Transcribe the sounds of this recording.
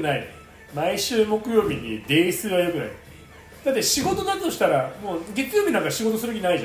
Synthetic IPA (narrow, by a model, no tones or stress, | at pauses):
nai | maiɕɨːmo̞kɯ̟jo̞ːbʲid̪ed̪e̞ːisɨβajo̞kɯ̟na̰i | d̪at̪ːe̞ɕiɡo̞t̪o̞naɾt̪oɕi̥t̪aɾamoːɡʲe̞kɨjo̞ːbʲinãŋkaɕiɡo̞t̪osɨɾɯb̪ekʲĩnaiʑã